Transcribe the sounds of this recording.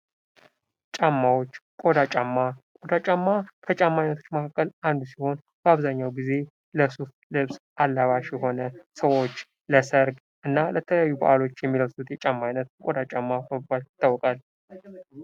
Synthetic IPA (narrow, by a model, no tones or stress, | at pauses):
t͡ʃʼamːawot͡ʃːkʼo̞d̪at͡ʃʼamːakʼod̪at͡ʃʼamːak̪ʰət͡ʃʼamːajnət̪ʰo̞̥t͡ʃːməkʰakːəlʔand̪usiho̞n | bəaβzaɲːawɡize̞ | ləsuf | lɨβsʔalːaβaʃjɛɦo̞nəsəwo̞t͡ʃː | ləsəɾɡ | ʔɨnːalət̪ʰələjajːubə̰ʔalo̞t͡ʃːjɛmːiləβsut̪jɛt͡ʃʼamːajnːət̪̚kʼod̪at͡ʃʼamːafəaljɪt̪ʰːawːɔkʼal